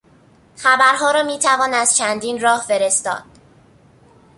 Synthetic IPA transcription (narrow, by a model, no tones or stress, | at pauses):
xæbæɾɦɒːɾɒːmiːt̪ʰævɒːnæz̥t͡ʃʰænd̪iːnɾɒːhfeɾest̪ɒ̰ːd̪̥